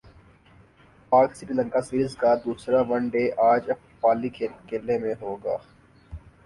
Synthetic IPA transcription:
paːksɪɾilə̃ŋkasiːɾɪzkad̪uːsɾaʋɐ̃ɳɖeːʔaːd͡ʒɐ | paːlikekeːlːemẽɦoːɡa̰ː

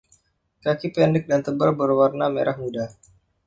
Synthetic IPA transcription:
kakipɛndɪk̚dant̪əbərbərwarnamḛɾʔahmuda

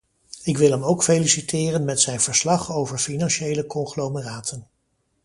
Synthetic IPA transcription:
ɪkʋɪlˠɦɛmowkfejlisitɪːrənmɛtsɛjnv̥əɹslɑχowvəɹfinɑnʃejləkɔŋχloməraːtʰən

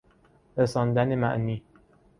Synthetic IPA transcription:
ɾesɒːnd̪ænemæ̰ʔniː

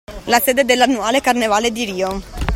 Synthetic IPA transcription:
laseːd̪ed̪elːanːuaːlekarnevaːled̪iɾiːo

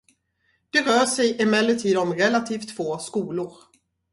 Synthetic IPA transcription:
d̪̥ɛɾœːʂɛjʔɪmɛlːət̪ʰiːd̪ɔmɾɛlat̪ʰiːft̪foːskuːlʊɾ

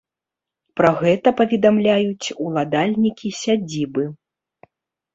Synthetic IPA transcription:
pɾɐɣɛt̪ɐpɐvʲɛd̪amlʲajut͡sʲulˠad̪alʲnʲikʲisʲad͡zʲibɨ

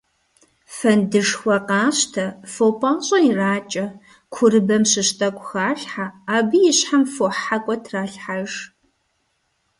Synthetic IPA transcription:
fɐndɨʂxʷɐqɑːɕtʰɐfopʼɐmɕʼɐiraːt͡ʃʼɐ | kʷʰʊɾɨbɐmɕɨɕtʰʼɐkʷʼʊxaːɬħaːbɨjɪɕħamfoħakʷʼɔtʰraːɬħaʐ

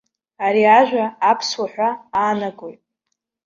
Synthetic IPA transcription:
aɾiaʒᶣʷaːpʰswaħᶣʷaaːnakʼojtʼ

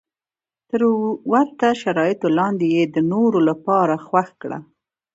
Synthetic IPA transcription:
t̪əɾwaɾt̪aʃaɾɑjɪt̪olɑnd̪ejed̪ənoɾolapɑɾaxwaxkɽa̰

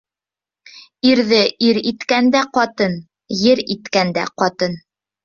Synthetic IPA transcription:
iɾðɘiɾit̪kænd̪æqɒt̪ɤn | jɘɾit̪kænd̪æ̰qɒt̪ɤn

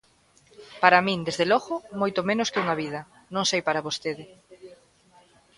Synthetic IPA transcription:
paɾamĩnd̪ezðelɔɣʊmojt̪omẽnʊskɪuŋɐβið̞ɐ | nõŋsejpaɾaβost̪eðɪ

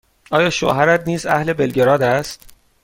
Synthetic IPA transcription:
ʔɒːjɒːʃo̰ɦæɾæt̪niːzæhle̞belɟeɾɒːd̪æst̪

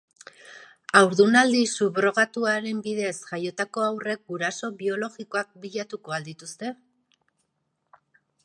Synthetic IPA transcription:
awɾðunald̪isuβɾo̞ɣ̞at̪uaɾe̞mbiðe̞sʝajo̞t̪ako̞awre̞k̚ɡuɾaso̞βio̞lo̞ɣiko̞ak̚biʎat̪uko̞ald̪it̪ust̪e̞

